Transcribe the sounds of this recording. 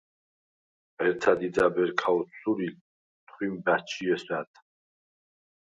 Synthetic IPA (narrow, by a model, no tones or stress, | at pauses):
ɛɾt̪ʰad̪id̪d͡z̪abɛɾkʰaɔt̪suɾi | t̪ʰχwimbat͡ʃʰiɛswat̪ʰ